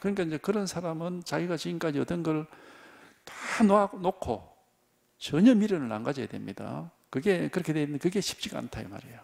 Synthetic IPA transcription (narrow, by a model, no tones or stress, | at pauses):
kɯɲik͈aind͡ʑe̞kɯɾʌnsʰaɾamɯnt͡ɕaɡiɡat͡ɕiɡink͈ad͡ʑiʌt͈ʌnɡʌɭ | tḁnoaɡonokʰo̰ | t͡ɕʌɲʌmiɾɯnɯɭna̰ŋɡad͡ʑʌja̰dwemɲid̥a̰ | kɯɡe̞kɯɾʌkʰedwendekɯɡe̞ɕʰi̥p̚t͡ɕ͈iɡa̰a̰ntʰaɯ̰ma̰ɾḛjo